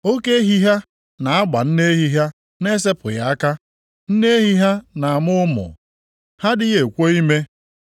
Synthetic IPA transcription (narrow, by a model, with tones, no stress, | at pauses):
o˦ke˦ɦi˦ɦa˦ | na˨a˦ɡ͡ba̰˨n̩˦ne˦e˦ɦi˦ɦa˦ | ne˦s̬e˦pʊ˨ja˨˦a˦ka˦ | n̩˦ne˦e˦ɦi˦ɦa˦na˨a˨mʊ˦mʊ̰˨ | ha˦dɪ˦je˨kʷo˦i˦me˦